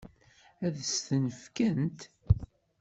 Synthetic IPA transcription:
æðəsθənəfkænt̪

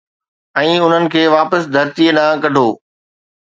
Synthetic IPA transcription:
ɛ̃ːʊn̤ənɪ̆kʰeːʋaːpəsd̪ʱɐɾt̪iənãːkɐɖʱoː

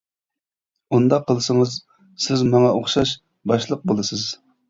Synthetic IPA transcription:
und̪ɑqʰːəlˠɨsəŋəz | sɪzmɑŋɑʔoχʃɑʃ | bɑʃlˠəq̚bolˠɨsɨz̥

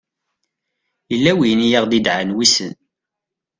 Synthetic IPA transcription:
jəlːæwijnijaʁd̪id̪ʕənwisə̰n

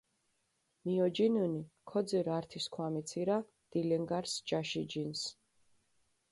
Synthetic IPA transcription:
miɔd͡ʒinunikʰɔd̪ziɾaɾt̪ʰiskʰwamit̪sʰiɾa | d̪̥ilɛŋɡaɾsd͡ʒaʃid͡ʒins

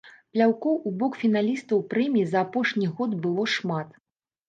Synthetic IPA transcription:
plʲawkɔwʔubɔkfʲin̪alʲist̪ɐwpɾɛmʲijizɐːpɔʂnʲiɣɔt̪bɨlˠɔʂmat̪

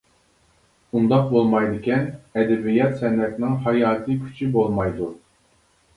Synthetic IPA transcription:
und̪ɑq̚bolˠmɑjd̪ɨkʲʰɛnɛd̪ɛbijɑt̪sɛnɛt̪nɪŋɦɑjɑːt̪ʰɨkʲʰy̥t͡ʃʰibolˠmɑjd̪u

